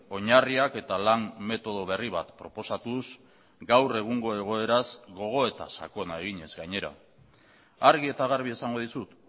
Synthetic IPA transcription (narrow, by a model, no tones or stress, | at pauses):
o̞ɲariake̞t̪alanme̞t̪o̞ð̞o̞β̞e̞riβat̪pɾo̞po̞sat̪uz | ɡawre̞ɣ̞uŋɡo̞e̞ɣ̞o̞e̞ɾazɡo̞ɣ̞o̞e̞t̪a̰sa̰ko̞nae̞ɣ̞iɲe̞zɡaɲe̞ɾa̰ | aɾɣie̞t̪aɣaɾβ̞iesaŋɡo̞ðisut̪